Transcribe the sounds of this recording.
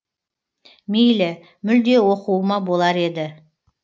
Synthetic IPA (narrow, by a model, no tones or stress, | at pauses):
mejlɪ | mʏld̪e̞woquwəmɑbo̞lˠɑɾe̞d̪ɪ